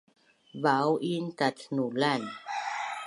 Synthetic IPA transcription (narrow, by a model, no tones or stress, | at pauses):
vawʔintatʰnulan